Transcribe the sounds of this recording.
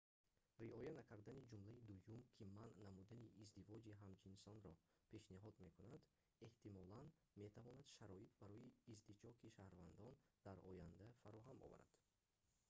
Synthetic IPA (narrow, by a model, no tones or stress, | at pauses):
ɾiɔjanakʰaɾd̪anid͡ʒumlaid̪ujumkʰimanːamud̪aniʔːzd̪ivɔd͡ʒiɦamd͡ʒinsɔnɾɔ | pʰe̞ʃniɦɔd̪me̞kunad̪ | e̞ht̪imɔlan | me̞t̪ʰavɔnad̪ʃaɾɔit̪̚ʰbaɾɔjiːzd̪id͡ʒɔkʰiʃahɾvand̪ɔnd̪̥aɾɔ̰jand̪afaɾɔɦamɔ̰va̰ɾa̰d̪̥